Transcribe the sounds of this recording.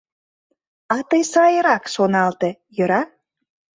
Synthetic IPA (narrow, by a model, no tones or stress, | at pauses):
ɑt̪əjsɑjəɾɑkʃonɑlt̪ejøɾɑ